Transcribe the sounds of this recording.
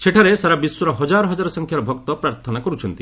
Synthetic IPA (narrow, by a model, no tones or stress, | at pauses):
seʈʰaɾesaɾabiswuɾɔɦɔd͡ʒaɾɔɦɔd͡ʒaɾɔsɔŋkʰjaɾɔbʱɔk̚t̪ɔpɾaɾt̪ʰɔnakɔɾut͡ʃʰɔnt̪i